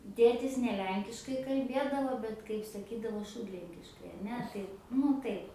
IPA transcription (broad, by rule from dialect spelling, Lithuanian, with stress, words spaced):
ˈtʲeːtʲɪs nʲɛ ˈlʲɛŋʲkʲɪʃkɐɪ kɐlʲˈbʲeːdɐʋoː ˈbʲɛt kɐɪp sɐˈkʲiːdɐʋoː ˈʃuːdʲlʲɛŋʲkʲɪʃkɐɪ ɐˈnʲɛ tɐɪ ˈnʊ tɐɪp